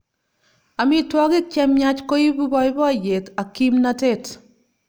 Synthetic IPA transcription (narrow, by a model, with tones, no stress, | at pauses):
a˨mi˦twɔ˦ki˦k̚t͡ʃɛmɲa˦t͡ʃko˦i˦bu˦bɔ˦jbɔ˦˨je˨ka˨kːi˦mnate˦˨t